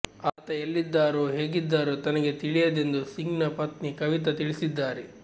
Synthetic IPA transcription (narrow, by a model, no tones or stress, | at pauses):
aːt̪ɐelːid̪ːaːɾoːɦe̞ːɡid̪ːaːɾoːt̪ɐnɐɡe̞t̪iɭijɐd̪e̞nd̪usiŋɡnɐpɐt̪nikɐʋit̪̬ɐt̪iɭisid̪ːaːɾe